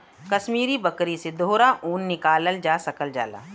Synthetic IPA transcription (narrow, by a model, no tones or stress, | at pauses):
kɐʃmiːɾibɐkɾised̪ʱoːɾaʔuːnːɪkaːləld͡ʒaːsɐkəld͡ʒa̰ːla̰ː